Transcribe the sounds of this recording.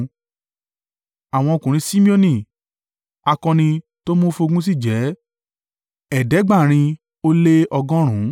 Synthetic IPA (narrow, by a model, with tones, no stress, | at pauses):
a˨w̃ɔ̃˧o˧kũ˨ɾ̃ĩ˧˦si˦mĩ˦o˧nĩ˧˨ | a˧kɔ̃˧nĩ˧ | to˦mo˦fo˧ɡũ˦s̬i˦˨d͡ʒɛ˨˦ | ɛ˨dɛ˨˦ɡ͡ba˦˨ɾ̃ĩ˧ | o˦le˦ɔ˧ɡɔ̃˦ɾ̃ũ˨˦